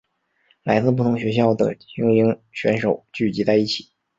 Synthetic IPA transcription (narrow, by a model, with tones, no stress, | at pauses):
la˧˥ɪt͡sɹ̩˥˧p̬u˥˩t̪ʰʊ˧˥ŋɕɥɛ˧˥ɕ̬jɑ˥˩ʊd̪ə̰˩t͡ɕi˧˥ŋi˧˥ŋt͡ɕʰɥɛ̰˧˥nʂo˨˩ʊt͡ɕy˥˩t͡ɕi˧˥t͡sa˥˧ɪi˥˩t͡ɕʰi̥˨˩˦